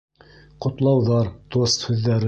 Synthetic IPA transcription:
qŏt̪lˠɑwðɑɾt̪ost̪hʉðːæɾɘ

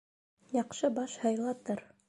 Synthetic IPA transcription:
jɑqʃɤbɑʃhɤ̆jlˠɑt̪ɤɾ

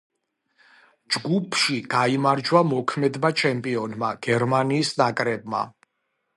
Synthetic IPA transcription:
d͡ʒɡupʰʃiɡ̥aimaɾd͡ʒwamɔkʰmɛd̪mat͡ʃʰɛmpʼiɔnmaɡ̥ɛɾmaniːsnakʼɾɛb̚ma̰

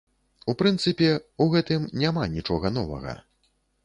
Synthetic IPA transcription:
upɾɨnt̪sɨpʲɛuɣɛt̪ɨmnʲamanʲit͡ʂɔɣɐnɔvɐ̰ɣɐ̰

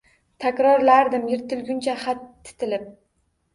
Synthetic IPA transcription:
t̪ʰakʲɾɒɾlaɾd̪ɪmjɪɾt̪ʰɪlɡʲʊnt͡ʃʰaχat̪ʰːɪ̥t̪ʰɪlɪp̚

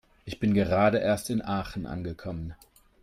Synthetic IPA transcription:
ʔɪçb̥ɪnɡəʁaːdəʔeːɐstɪnʔaːχn̩ʔa̰nɡəkʰɔmən

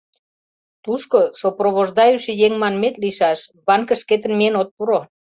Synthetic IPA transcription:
t̪uʃkosoproβoʒd̪ɑjuʃejeŋmɑnmet̪liʃɑʃβɑnkə̆ʃket̪̬ə̆nmienot̪̚puɾo

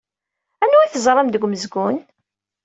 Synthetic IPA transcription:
ænːuiθəzˤɾˤɑmd̪əɡʷməzɡʊn

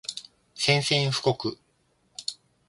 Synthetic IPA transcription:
sẽ̞ɰ̃sẽ̞ɰ̃ɸɯ̟̥ko̞kɯ̟

